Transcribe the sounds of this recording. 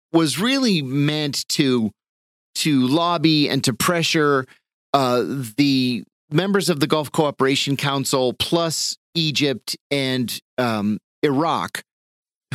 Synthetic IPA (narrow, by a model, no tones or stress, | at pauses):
wʌzɹɪlˠimɛ̃ntʰɨ | ɾɨlɑbiɨ̰̃ntʰɨpʰɹ̥ɛʃə˞ | ðɨ | mɛ̃mbə˞zʌvðɨɡɔlˠfkʰoʊɑpə˞eɪʃn̩kʰãʊ̃nsl̩ˠpʰl̥ʌsid͡ʒɪp̚tɨ̃nd | ɨɹɑ̰k